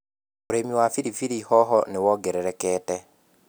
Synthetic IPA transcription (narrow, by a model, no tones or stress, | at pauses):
oɾemiwafiɾifiɾihɔɦɔnewɔɡɛɾɛɾɛkɛːtɛ